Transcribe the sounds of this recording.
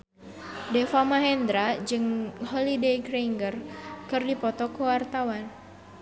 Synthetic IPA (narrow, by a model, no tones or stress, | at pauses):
dɛfamaɦɛnd̪ɾad͡ʒɨŋhɔlidejkɾeŋɡərkɨrdipɔt̪ɔkəwart̪awan